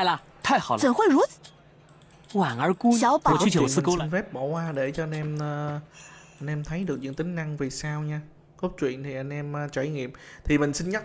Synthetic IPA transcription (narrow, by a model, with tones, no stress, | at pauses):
a˧˩jla˨˩ | t̪ʰa˧˩ht͡ɕə˨˩ŋxwe˧˩jzu˨˥ | waː˨˩ŋʔə˨˧˥ku˧a˨˦wpʰːu˧˦lnfɛ˦˥p̚ɓo˧˩hwaː˧ɗe˧˩t͡ɕɔ˧a˧nʔɛ˧mː˧ | ʔa˧jnʔɛ˧mt̪ʰə˨˦jɗɨ˨˩ək̚ɲɨ̰˧˥ŋt̪ï˨˦ŋ̟na˧ŋvi˨˩saː˧wɲaː˧ | ɣɔ˦˥t̚t͡ɕwḭ˧˨ənt̪ʰi˨˩ʔa˧jŋ̟ʔɛ˧mː˨˧t͡ɕa˧˩jŋḭ˧˨əmt̪ʰi˨˩mï˨˩ŋ̟sï˧nɲa˦˥